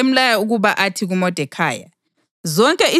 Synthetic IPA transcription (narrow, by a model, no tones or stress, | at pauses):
em̩lajauɣuβaʔatʰiɣumɔd̥ʱɛkʰa̰ːja̰ | zɔŋkʼɛʔi